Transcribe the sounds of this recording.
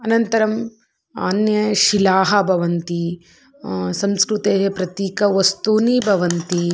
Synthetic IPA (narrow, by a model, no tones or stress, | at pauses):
ɐnɐnt̪ɐɾɐm | a̰ːnjɐʃilaːɦɐbʱɐʋɐnt̪i | sɐ̃mskɾut̪eːɦɐpɾɐt̪iːkɐʋɐst̪uːniːbʱɐʋɐnt̪i